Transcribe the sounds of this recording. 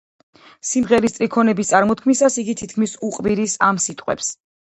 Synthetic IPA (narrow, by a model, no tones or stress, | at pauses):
simʁɛɾist̪sʼɾikʰɔnɛbist̪sʼaɾmɔt̪̚kʰmisasiɡit̪ʰit̪̚ʰkʰmisuqʼviɾisamsit̪ʼqʼwɛ̰ps